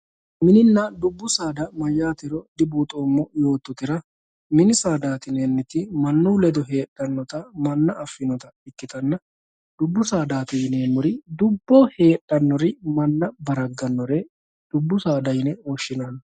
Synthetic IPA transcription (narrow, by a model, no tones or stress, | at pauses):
mɪnɪnːɐd̪ʊbːʊsaːd̪ɐmɐjːaːt̪ɪɾɔd̪ɪbuːt̪ʼoːmːɔjo̞ːt̪ːɔt̪ɪɾɐ | mɪnɪsaːd̪aːt̪ɪneːnːɪt̪ɪmɐnːulɛd̪ɔɦe̞ːɗːɐnːɔt̪ɐmɐnːɐʔɐfːɪnɔt̪ɐɪkːɪt̪ɐnːɐ | d̪̥ʊbːʊsaːd̪aːt̪ɪjneːmːʊɾɪd̪ʊbːɔhe̞ːᶑːɐnːɔɾɪmɐnːɐbɐɾɐɡːɐnːɔɾɛ | d̪̥ʊbːʊsaːd̪ɐjɪnɛɔʃːɪnanɐ